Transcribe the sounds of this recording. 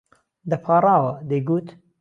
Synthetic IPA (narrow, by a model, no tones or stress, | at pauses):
d̪ɐpʰɑːrɑːwɐd̪eɡuːt̪